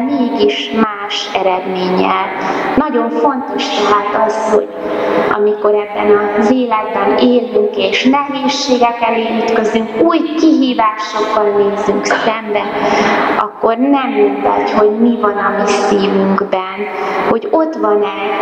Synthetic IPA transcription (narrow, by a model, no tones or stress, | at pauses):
meːɡiʃmaːʃɛɾɛd̪meːɲɛ̰lnɒɟo̞ɱfo̞nt̪o̞ʃt̪ɛɦaːt̪ɒsho̞̰ɟɒ̰miko̞ɾɛbːɛnɒzeːlɛɡbɛneːlːyŋkeːʃnɛɦeːʃːeːɡɛkɛleːyt̪kø̞zyŋkuːjkiɦiːvaːʃoɡːɒnːeːzyŋksɛmbɛ | ʔɒ̰kːo̞rnɛmet̪ɛ̰cho̞ɟmivɒnɒmisiːvyŋɡbɛnho̞ɟo̞t̪ʋɒnɛ